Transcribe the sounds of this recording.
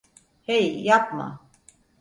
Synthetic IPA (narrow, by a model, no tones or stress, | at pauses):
hejːap̚ma̰